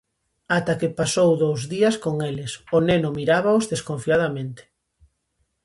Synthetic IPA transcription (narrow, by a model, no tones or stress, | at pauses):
at̪akepasowðowzðiɐskoŋelɪsonenʊmiɾaβaozðeskoɱfiað̞amẽnt̪e̥